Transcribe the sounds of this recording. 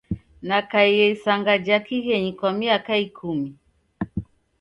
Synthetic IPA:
nakaijɛisaŋɡad͡ʒakiɣɛɲikwamiakaikʰumi

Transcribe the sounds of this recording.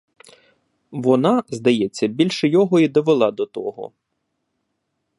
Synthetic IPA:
ʋɔnɑzd̪ɐjɛt͡sʲːɐbʲilʲʃɛjɔɦɔid̪ɔʋelˠɑd̪ɔt̪ɔɦɔ̰

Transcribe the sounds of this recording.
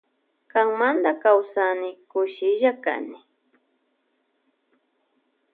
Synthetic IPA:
kaŋmand̪akawsanɪkʊʃɪʒaka̰nɪ

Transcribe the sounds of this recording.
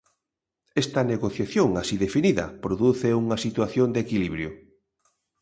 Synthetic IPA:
ɛst̪ɐneɣoθjaθjoŋasiðefiniðɐ̰pɾoðuθeuŋɐsit̪waθjond̪ekiliβɾjʊ

